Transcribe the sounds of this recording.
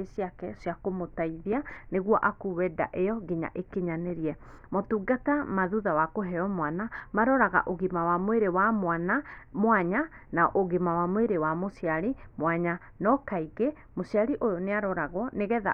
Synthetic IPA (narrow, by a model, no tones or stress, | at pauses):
esiakɛsjakomotaiðianeɣwɔʔakuwɛda̰ʔejɔɡeɲa̰ʔekeɲaneɾiɛmotuɡatamaðuðawakoɦɛɔmwanamaɾɔɾaɣa̰ʔoɣemawamweɾewamwanamwaɲanaɔʔoɣemawamweɾewamosiaɾimwaɲa | nɔkaiɣe | mosiaɾiʔojɔneaɾɔɾaɣɔneɣɛða̰